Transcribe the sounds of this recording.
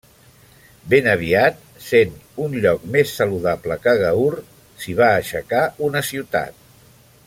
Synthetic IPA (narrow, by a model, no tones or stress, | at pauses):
benəβ̞iat̪̚ | senunʎɔk̚mesːəluðapləkəɣ̞əur | siβ̞aːʃəkaunəsiwt̪a̰t̪̚